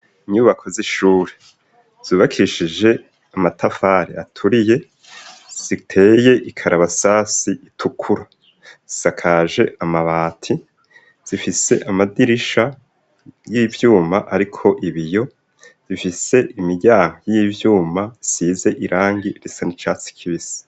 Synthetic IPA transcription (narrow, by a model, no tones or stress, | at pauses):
iɲuːβakʰo̞ziʃuːɾe | z̥iːβakʰiɾiʃid͡ʒe̞ | amatʰafaːɾiatʰuɾije̞ | z̥itʰe̞ːje̞ʔikʰaɾaβasasiitʰukʰuɾa | z̥i̥sakʰaːʒe̞ʔamaβaːtʰi | z̥ifise̞ʔamadiɾiʃa | jiːvjuːmaʔaɾikʰo̞ʔiβijo̞ | z̥ifise̞ʔimiɟaːŋɡojivjuːmasiːze̞ʔiɾʔaːŋɡiɾesanit͡ʃaːt͡si̥kʰiβisi̥